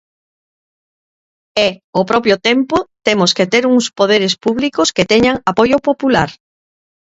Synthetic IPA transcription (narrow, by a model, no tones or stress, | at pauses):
ɛopɾɔpjʊt̪empot̪emʊsket̪eɾuŋspoð̞eɾespuβlikʊsket̪ɛɲaŋapojʊpopulaɾ